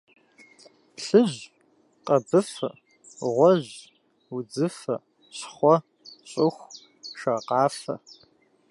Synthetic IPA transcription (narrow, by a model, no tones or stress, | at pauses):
ɬɨʑ | qʼɐbɨfɐ̰ | ʁʷɔʑ | ud͡zɨfɐ̰ | ɕχʷɔ | ɕʼɪxʷ | ʂɐqɑːfɐ̰